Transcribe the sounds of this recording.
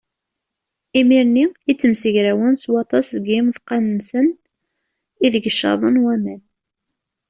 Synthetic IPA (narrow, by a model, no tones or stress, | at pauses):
imiɾniit͡sːəmsəʝɾæwənswɑt̪ˤɑsðəɡimðqɑnənsən | iðəɡəʃːɑ̰ðˤənwæmæn